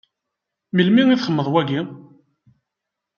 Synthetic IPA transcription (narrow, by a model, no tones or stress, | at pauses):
milmiŋiθχəmːəðˤwæɡi